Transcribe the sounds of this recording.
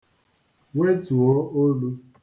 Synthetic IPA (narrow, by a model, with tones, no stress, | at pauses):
we˦tu˨ɔ˦o˦lu˦